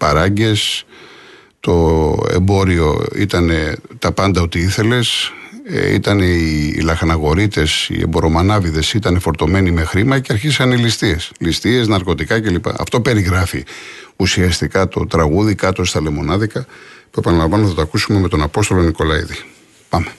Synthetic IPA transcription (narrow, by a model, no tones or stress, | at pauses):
pɐɾɐɲɟe̞s | t̪o̞ḛmbo̞ɾio̞̰ḭt̪ɐne̞t̪ɐpɐnd̪ɐo̞t̪iiθe̞le̞s | ḭt̪ɐneiilɐxɐnɐɣo̞ɾit̪e̞sḭḛbo̞ɾo̞mɐnɐviðe̞sit̪ɐnefo̞ɾt̪o̞me̞nime̞xɾimɐceɐɾçisɐneilist̪ie̞slist̪ie̞znɐɾko̞t̪ikɐce̞lipɐ̰ɐ̰ft̪o̞pe̞ɾiɣɾɐfi | usiɐst̪ikɐt̪o̞̰t̪ɾɐɣuðikɐt̪o̞st̪ɐle̞mo̞nɐðikɐpuepɐnɐlɐmvɐnoɐθɐt̪oɐkusume̞me̞t̪o̞nɐpo̞st̪o̞lo̞niko̞lɐḭði | pɐme̞